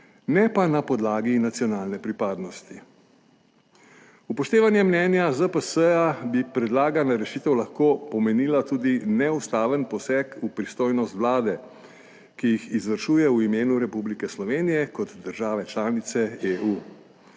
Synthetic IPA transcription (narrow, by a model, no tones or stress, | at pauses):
nɛpanapɔd̪laːɡinat̪sjɔnaːlnɛpɾipaːd̪nɔst̪i | upɔʃt̪eːʋanjɛmnɛːnjazəpəsəabipɾɛd̪laːɡanaɾɛʃiːt̪ɛwlaxkoːpɔmɛniːlat̪uːd̪inɛust̪aːʋənpɔsɛːkupɾist̪oːjnɔst̪ʋlaːd̪ɛ | kijixizʋəɾʃuːjɛuimeːnuɾɛpublikɛslɔʋeːnijɛkɔt̪d̪əɾʒaːʋɛt͡ʃlaːnit̪sɛeʔuː